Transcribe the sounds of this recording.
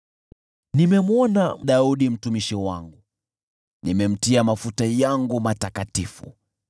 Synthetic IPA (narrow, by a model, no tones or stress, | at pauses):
nimɛmwɔnam̩ɗauɗim̩tumiʃiwaŋɡu | nimɛm̩tiamafutajaŋɡumatakatifṵ